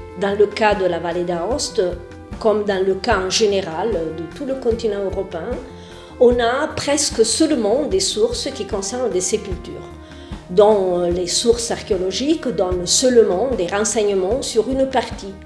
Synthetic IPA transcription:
d̪ɑ̃ləkad̪əlavaled̪aɔst̪ | kɔmd̪ɑ̃ləkãʒeneʁald̪ət̪uləkɔ̃nt̪inɑ̃øʁɔpeɛ̃ | ɔ̃napχɛskəsœlmɑ̃d̪esuʁskikɔ̃sɛʁnd̪esepylt̪y̰ːʁ | d̪ɔ̃lesuʁsaʁkeɔlɔʒikd̪ɔnsœlmɑ̃d̪eʁɑ̃sɛɲəmɑ̃syʁynpaʁt̪i

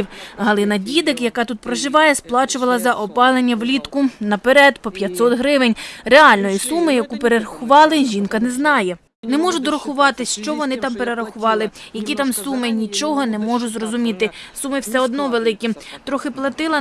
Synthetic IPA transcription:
wɦɐlˠɪnɐdʲid̪ɪkjɐkɑt̪ut̪̚pɾɔʒɪʋɑjɛsplˠɑt͡ʃʊʋɐlˠɐzɐʔɔpɑlˠenʲːɐʋlʲit̪kʊnɐpeɾɛd̪pɔpʲjɐt̪ʲsɔt̪ɦɾɪʋɪnʲreɑlʲnɔjisumɪjɐkupeɾeɾɐxʊʋɑlˠɪʒʲinkɐnɛznɑjɛ | nɛmɔʒʊd̪ɔɾɐxʊʋɑt̪ɪsʲʃt͡ʃɔʋɔnɪt̪ɑmpeɾeɾɐxʊʋɑlˠɪjɐkʲit̪ɑmsumɪnʲit͡ʃɔɦɔnɛmɔʒʊzrɔzʊmʲit̪ɪsumɪwsɛɔd̪nɔʋelˠɪkʲit̪ɾɔxɪplˠɐt̪ɪlˠɐ

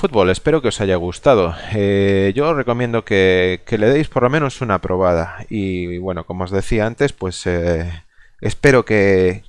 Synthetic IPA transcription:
fut̪̚βo̞le̞spe̞ɾo̞ke̞o̞saʝaɣ̞ust̪að̞oeʝo̞re̞ko̞mjend̪o̞ke̞ke̞le̞ð̞ejspo̞ɾlo̞mẽ̞no̞sunapɾo̞βað̞aiβwe̞no̞komo̞ːzðe̞θiaant̪e̞spwe̞se | espe̞ɾo̞ke̞

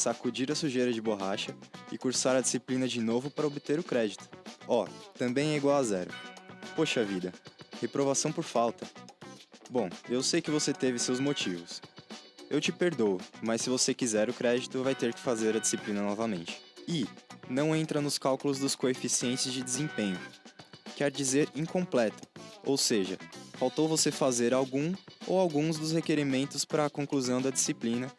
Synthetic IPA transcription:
sakud͡ʒiɾɐsuʒejɾɐd͡ʒɪboɦaʃɐɪkuɾsaɾɐd͡ʒisiplĩnɐd͡ʒɪnovʊpaɾɐobɪt̪eɾʊkɾɛd͡ʒɪt̪ʊ̥ɔt̪ɐ̃mbẽj̃ɛiɡwawazɛɾʊ̰poʃɐvid̪ɐhepɾovasɐ̃w̃poɾfawt̪ɐ | bõewsejkɪvoset̪evɪsewzmot͡ʃivʊs | ewt͡ʃɪpeɾd̪oʊmɐssːɪvosekizɛɾʊkɾɛd͡ʒit̪ʊvajt̪eɾkɪ̥fazeɾɐd͡ʒisiplĩnɐnɔvɐmẽnt͡ʃɪ̥ɪnɐ̃w̃ẽnt̪ɾɐnʊskawkʊlʊzd̪ʊskoefisiẽnt͡ʃɐzd͡ʒɪd͡ʒ̪ɪzẽpẽɲʊkɛɾd͡ʒizeɾĩŋkõmplɛt̪ʊ̥o̰wseʒɐfawt̪owvosefazeɾawɡũo̰wawɡũzd̪ʊs̬hekeɾimẽnt̪ʊspɾɐːkõkluzɐ̃w̃d̪ɐd͡ʒisiplĩnɐ

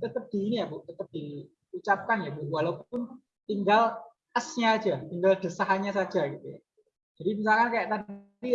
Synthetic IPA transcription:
t̪ət̪əp̚d̪̥i̤nijabuʔt̪ət̪əp̚d̪̥i | ut͡ʃap̚kanjabuʔwalawpʊn | t̪iŋɡal | ʔəsɲḁːʒ̥at̪iŋɡald̪̥ə̤saɦaɲasḁʒ̥a̤ɡit̪uja | d͡ʒ̥adimis̬alkankajaʔt̪adi

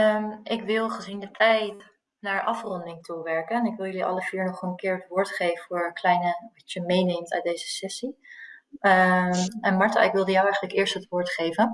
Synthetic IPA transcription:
mʔɪkʋɪlˠχəzindətʰɛjt | naːɹʔɑfrɔndɪŋtʰuʋɛɹkənɛnɪkʋɪlˠjɵliʔɑ̰ləv̥iːɹnɔχənkɪːɹɦətʋʊːɹtχejvəfʊːɹklɛjnəʋɛtəmejnejmta̰ɥdejzəsɛsi | ɛnmɑɹta̰ːɪkʋɪlˠdəjawɛjχənləkɪːɹstɦətʋʊːɹtχejvən

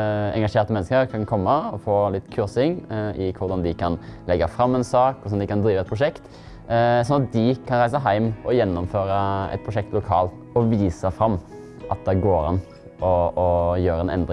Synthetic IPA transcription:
ɛ̰ŋɡɑʂeːɾt̪əmɛnːskəɾkʰɑnkʰɔmːəɔfoːlɪt̪ːkʰʉɾsɪŋɪkʰʊɾd̪ɑnd̪ɪkʰɑnlɛɡːəfɾɑmːɛnsɑːkkʊsɔnd̪ɪkɑnd̪ɾiːʋəɛt̪̚pʰɾʊʂɛkt̪ | sɔnɑt̪̚d̪ɪkʰɑnɾæɪsəɦæɪmʔɔjɛnːʊmføːɾəɛ̰t̪pʰɾʊʂɛk̚t̪lʊkʰɑːlt̪ | ɔʋiːsəfɾɑmː | ʔɑt̪̚d̪ɛɡoːɾɑn | ɔjøːɾəɛnʔɛ̰nd̪ɾɪ

